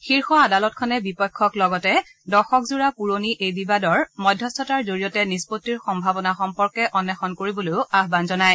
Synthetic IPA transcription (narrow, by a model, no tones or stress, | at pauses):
xiɹxɔadalɔtkʰɔnɛbipɔjkʰːɔklɔɡɔtɛ | dɔxɔkzuɹapuɹoniʔejbibadɔɹmɔjdʱːjɔstʰɔtaɹzoɹijɔtɛnispotːiɹxɔmbʱabɔnaxɔmpɔɹkɛʔɔnːɛxɔnkoɹibolojʊaɦbanzɔnaj